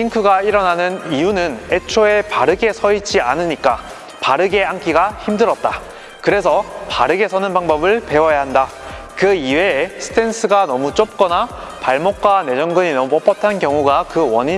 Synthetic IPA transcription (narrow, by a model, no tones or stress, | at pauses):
iŋkʰɯɡaiɾʌnanɯnijunɯne̞t͡ɕʰoe̞paɾɯɡe̞sʰʌid͡ʑianɯɲik͈a | paɾɯɡe̞ɦaŋk͈iɡaçimdɯɾʌt̚t͈a | kɯɾe̞s̬ʰʌpaɾɯɡesʰʌnɯnbaŋbʌbɯɭpe̞wʌjaɦanda | kɯiwesʰɯ̥tʰens͈ʰɯɡanʌmut͡ɕ͈op̚k͈ʌna | paɭmok̚k͈wane̞d͡ʑʌŋɡɯɲinʌmupʌp͈ʌtʰankjʌŋuɡakɯwʌ̰ɲi